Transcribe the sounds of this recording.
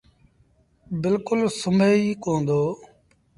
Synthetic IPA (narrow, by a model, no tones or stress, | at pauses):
bɪlkʊlsəmeːiːkõːnd̪oː